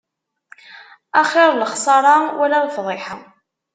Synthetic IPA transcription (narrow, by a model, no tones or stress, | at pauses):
æχɪɾˤləχsˤɑɾˤɑwælaðfðˤɪħa